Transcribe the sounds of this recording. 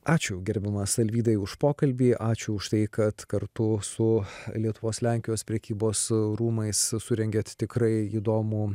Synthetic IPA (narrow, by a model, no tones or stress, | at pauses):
ɑːt͡ʃʲʊɡʲɛɾʲbʲɛmɐsɐlʲʋʲiːd̪ɐɪʊʃpoːkɐlʲbʲiːʔɑːt͡ʃʲʊʊʃt̪ɐɪkɐt̪kɐɾt̪ʊsʊlʲiɛt̪ʊʋoːslʲæˑŋʲkʲɪjoːspʲɾʲɛkʲiːboːsɾuːmɐɪssʊɾʲɛŋʲɡʲɛt̪t̪ʲɪkɾɐɪiːd̪oːmu